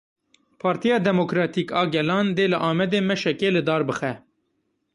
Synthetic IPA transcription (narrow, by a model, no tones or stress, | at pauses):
pʰɑːɾt̪ijɑːd̪ɛmokɾɑːt̪iːkɑːɡɛlɑːnd̪eːlɨʔɑːmɛd̪eːmɛʃɛkeːlɨd̪ɑːɾbɨxɛ